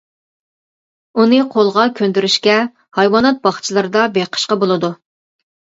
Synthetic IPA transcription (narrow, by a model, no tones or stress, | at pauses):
unɨqʰolˠʁɑkʲʰønd̪yɾyʃkʲɛ | hɑjwɑnɑt̪̚bɑχt͡ʃʰilˠɨɾɨd̪ɑbeqʰə̥ʃqɑbolˠɨd̪u